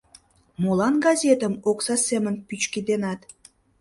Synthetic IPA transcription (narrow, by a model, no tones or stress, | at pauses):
molɑnɡɑzʲet̪əmoksɑsemənpyt͡ɕkid̪enɑt̪